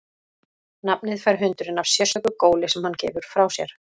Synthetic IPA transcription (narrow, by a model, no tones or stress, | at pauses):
nap̚nɪðfajɾɦʏnt̪ʏɾɪnav̥sjɛsœkʏkoːwlɪsɛmhancɛ̰ːvʏɾ̥fɾawsjɛɾ̥